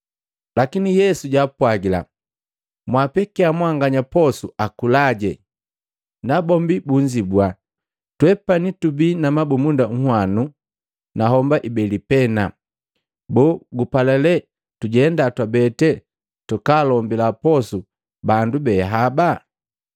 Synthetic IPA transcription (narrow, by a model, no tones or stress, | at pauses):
lakinijɛsuɟapwaɡila̰ | mwapɛkiamwaŋɡaɲapɔsuakulaɟɛ | nabɔmbibuɲd͡ʒibwa | twɛpanitubiːnamabumundaŋ̩hwanu | naɦɔmbaʔibɛlipɛna | bɔɡupalɛlɛ | tuɟɛndatwabɛtɛ | tukaːlɔmbilapɔsu | bandubɛɦaba